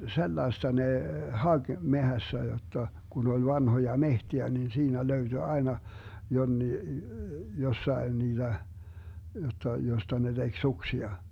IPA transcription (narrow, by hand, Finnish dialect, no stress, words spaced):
selːɑestɑ neˑ hɑɡ̊ mehæsːæ jotːɑ kun ol ʋɑnhojɑ mehtiæ nin siːnæ løyd̥y ɑenɑ jonːiː josːɑen niːd̥æ jotːɑ jostɑ ne d̥eɡ̊ suksiɑ